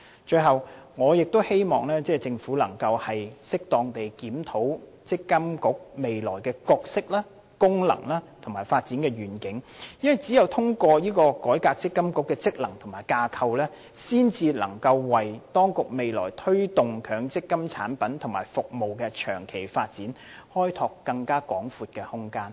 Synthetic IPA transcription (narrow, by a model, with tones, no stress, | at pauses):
t͡ʃɵ˧ɥɦɐ˨wŋɔː˨˧jɪ˨k̚t̪o˥whe˥jmɔː˨ŋlɛː˥t͡sɛː˥t͡sɪ˧ŋfuː˨˥lɐ̰˨˩ŋkɐ˧whɐ˨jsɪ˥k̚t̪ɔː˧ŋt̪e˨jkiː˨˥mt̪ʰo˨˥w | t͡sɪ˥kːɐ˥mkʊ˨˥k̚me˨jlɔ̰ː˨˩jkɛː˧kɔː˧k̚sɪ˥k̚laː˥ | kʊ˥ŋlɐ̰˨˩ŋlaː˥t̪ʰʊ˨˩maː˨˩jfaː˧t̚t͡siː˨˥nkɛː˧ɥyː˨˩nkɪ˨˥ŋjɐ˥wɐ˨˩jt͡siː˨˥jɐ˨wt̪ʰʊ˥ŋkʷɔː˧jiː˥kɔː˧kɔː˨˥jkaː˧k̚t͡sɪ˥kːɐ˥mkʊ˧˥kːɛː˧t͡sɪ˥k̚lɐ˨˩ŋt̪ʰʊ˨˩maː˨˩jkaː˧kʰɐ˧wlɛː˥ | siː˥nt͡siː˧lɐ̰˨˩ŋkɐ˧wwɐ˨jt̪ɔː˥ŋkʊ˨k̚me˨jlɔ̰ː˨˩jt̪ʰɵ˥ɥt̪ʊ˨ŋkʰœː˨˥ŋt͡sɪ˥kːɐ˥mt͡sʰa̰ː˨˥npɐ˨˥nt̪ʰʊ˨˩ŋmaː˨˩jfʊ˨k̚mo˨wkɛ˧t͡ʃʰœ̰ː˨˩ŋkʰe˨˩jfaː˧t̚t͡siː˨˥n | hɔː˥jt̪ʰɔː˧kːɐ˧ŋkaː˥kɔ̰ː˨˥ŋfuː˧t̚kɛː˧hʊ˥ŋkaː˥n